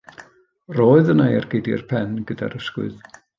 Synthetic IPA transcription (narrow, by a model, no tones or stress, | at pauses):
roːɨðənajarɡejdɪ̰rpʰɛnɡəda̰ɾəskwʊ̰ð